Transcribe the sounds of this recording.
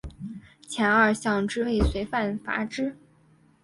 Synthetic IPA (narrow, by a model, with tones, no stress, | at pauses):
t͡ɕʰjɛ˧˥nə˞˥˧ɕjɑ˥˧ŋʈ͡ʂɻ̩˥we˥˩ɪswe˧˥ɪfa˥˩nfa̰˧˥ʈ͡ʂɻ̩˥